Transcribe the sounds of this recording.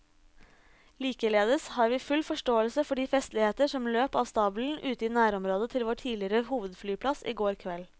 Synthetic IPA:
liːkəleːd̪əshɑːɾʋiːfʉlfɔʂʈoːəlsəfɔɖiːfɛst̪lɪheːt̪əʂɔmløːpɑːʋst̪ɑːbl̩n̩ʔʉːt̪əiːnæːɾɔmɾoːd̪ət̪ʰɪlʋoːʈʰiːlɪɾəhuːʋəd̪flyːpʰlɑsḭːɡoːɾkʰʋɛl

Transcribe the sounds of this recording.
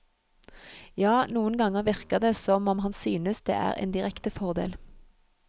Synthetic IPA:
jɑːnuːənɡɑŋəʁʋɪʁkəʁd̪eːsɔmɔmhɑnsyːnəsd̪ḛːʔæ̰ːʁḛːnd̪ɪʁɛkt̪əfɔʁd̪ḛːl

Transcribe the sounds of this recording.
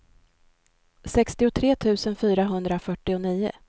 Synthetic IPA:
sɛkst̪ɪʊt̪ʰɾeːt̪ʰʉ̟ːsənfyːɾaɦɵnd̪ɾafœʈːɪʊniːʊ̰

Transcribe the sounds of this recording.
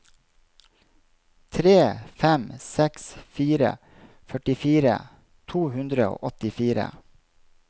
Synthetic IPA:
t̪ʰɾeːfɛmsɛksfiːɾə̰ | fœʈɪfiːɾə̰ | t̪ʰuːhʉnd̪ɾəo̰ːʔɔt̪ɪfiːɾə̰

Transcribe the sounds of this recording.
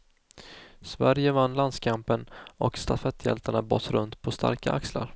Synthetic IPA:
svæɾjəvanːland̪skʰampənɔkst̪afɛt̪ʰjɛ̰lt̪aɳabɔ̰t̪ːɾɵnt̪pʰɔst̪ʰa̰ɾkaʔaksla̰ɾ

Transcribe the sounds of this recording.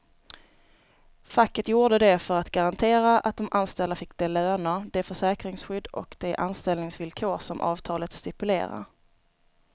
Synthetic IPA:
fakːət̪juːɖəd̪ɛfœɾat̪ɡaɾant̪ʰeːɾaʔa̰t̪̚d̪ɔmʔanst̪ɛld̪afɪkːd̪ɛløːnəd̪ɛfœʂɛːkɾɪŋsɧʏd̪ːɔ̰kd̪̥ɛʔanst̪ɛlnɪŋsvɪlkʰoːsɔmʔɑ̰ːvt̪ʰɑːlət̪st̪ɪpɵlḛːɾa̰ɾ

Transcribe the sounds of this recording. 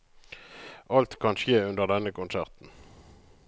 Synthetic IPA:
ʔɑlt̪kʰɑnʃeːʉnd̪əʁd̪ɛnəkʰʊnsæʁt̪n̩

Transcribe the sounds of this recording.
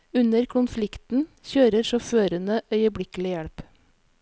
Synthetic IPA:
ʉnəɾkʰʊnflɪkt̪n̩çøːɾəɾʃɔføːɾənəʔœʏəbɽɪkl̩ɪjɛɽp

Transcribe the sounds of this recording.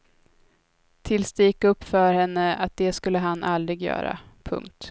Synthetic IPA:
t̪ʰɪlsd̪ɛjɪkːɵpːfœɾhɛnːəat̪̚d̪ɛskɵlːəɦanːʔald̪ɾɪɡjœ̰ːɾa̰pʰɵ̰ŋk̚t̪

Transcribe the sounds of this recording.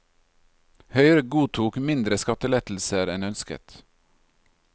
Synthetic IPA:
hœʏɾəɡuːt̪ʰuːkmɪnd̪ɾəskɑt̪əlɛt̪l̩səɾɛnœnskə̰t̪

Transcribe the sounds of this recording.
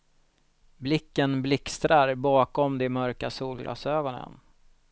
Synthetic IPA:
blɪkːənblɪkst̪ɾaɾbɑːkɔmd̪ɛmœɾkasuːlɡlɑ̰ːsøːɡɔnə̰n

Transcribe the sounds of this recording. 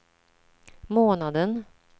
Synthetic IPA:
moːnad̪ən

